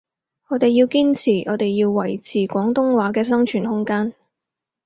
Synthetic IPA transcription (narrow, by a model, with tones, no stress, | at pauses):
ŋɔː˨˧t̪e˨jːiː˧wkiː˥nt͡sʰiː˨˩ʔɔː˨˧t̪e˨jːiː˧wːɐ˨˩jt͡sʰiː˨˩kʷɔː˨˥ŋt̪ʊ˥ŋwaː˨˥kɛː˧s̬ɐ˥ŋt͡ʃʰyː˨˩nhʊ˥ŋkaː˥n